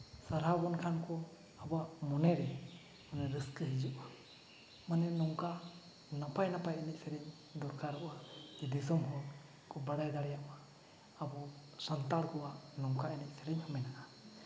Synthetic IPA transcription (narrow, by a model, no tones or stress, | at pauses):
saɾɦabɔnkʰankʰɔ | abaʔmɔnɛɾɛ | manɛɾɯskɯɦid͡ʒuʔa | manɛnɔŋka | napajnapajɛnɛc̚sʰɛɾɛɲ | d̪ɔɾkʰaɾɔʔad͡ʒid̪isɔmɦɔ | kʰɔbaɽajd̪aɽɛjaʔaː | bɔsant̪aɽɡɔwanɔŋkaɛnɛc̚sʰɛɾɛɲhɔmɛjnaʔa